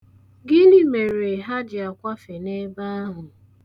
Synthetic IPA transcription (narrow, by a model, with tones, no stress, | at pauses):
ɡɪ˦nɪ˦me˨ɾe˨ɦa˦d͡ʒɪ˨a˨kʷa˦fe˨ne˦ba˦a˦ɦʊ˨